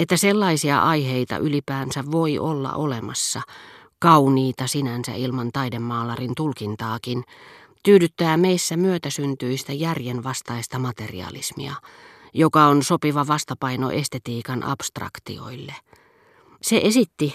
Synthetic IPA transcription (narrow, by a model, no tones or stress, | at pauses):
et̪ːæselːɑisiɑ̰ʔɑjɦeit̪ɑ̰ʔylipæːnsæʋʋoiʔolːɑ̰ʔolemɑsːɑ | kɑuniːt̪ɑsinænsæ̰ilmɑnt̪ɑidemːɑːlɑrint̪ulkint̪ɑːkint̪yːdyt̪ːæːmeisːæmyøt̪æsynt̪yist̪æjærjenʋɑst̪ɑist̪ɑmɑt̪erḭɑ̰lḭsmḭɑjokɑonsopiʋɑʋɑst̪ɑpɑino̰ʔest̪et̪iːkɑnʔɑ̰pst̪rɑ̰kt̪ḭo̞̰ilːe | seʔesit̪ːi